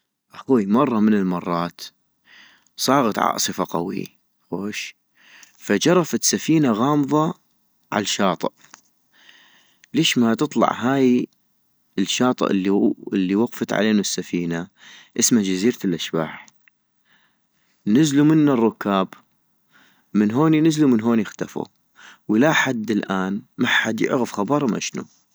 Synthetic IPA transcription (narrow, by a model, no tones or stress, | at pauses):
ʔaxuːjmɑrˤːɑmənɪlmɑrˤːɑːt̪ | sˤɑːɣɑt̪ʕɑ̰ʔsˤɨfaqa̰wḭ | xoːʃ | fad͡ʒɑɾˤɑfat̪safiːnaɣɑːmðˤɑ | ʕa̰lʃɑːt̪ˤɨʔ | leːʃmat̪ɨt̪ˤlɑ̰ʕɦaːj | əlʃɑːt̪ˤɨ̰ʔɪlːiɪlːiwɑqfat̪ʕa̰leːnusːafiːna | ʔɪsmad͡ʒaziːɾalʔaʃba̰ːħ | nɪzlumɪnːarˤːʊkːaːb | mɪnɦoːninɪzlumənɦoːnjɪxt̪afṵ | wlaħad̪ːɪlʔaːnmaħad̪jɪ̰ʕɣəfxɑbɑɾˤmʔa̰ʃnṵ